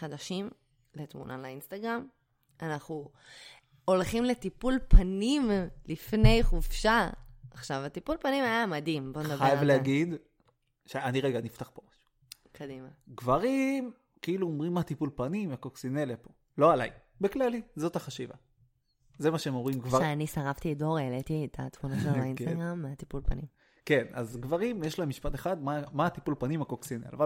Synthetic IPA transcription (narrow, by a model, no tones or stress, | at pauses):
χad̪aʃim | let̪mṵnʔa̰lainst̪aɡʁam | anaχu | olχimlet̪ipulpʰanimlifne̞jχuvʃaaχʃavat̪ipulpanimajamad̪imbond̪aajavlehaɡid̪ | ʃeaniʁeɡanift̪aχpomaʃu̥ | kʰad̪imaɡvaʁim | kiiluomʁimːat̪ipulpanimakoksinelepo̞ | lo̞alaj | beklalizo̞t̪aχaʃiva̰ | zemaʃeemoimɡvaeanisaʁaft̪iːdo̞ʁelet̪iet̪ʰa̰t̪munaʃelainstaɡʁamːeat̪ipulpa̰nim | ke̞na̰zɡvaʁimjeʃlamiʃpat̪eχad̪mamat̪ipulpanimakoksinela̰va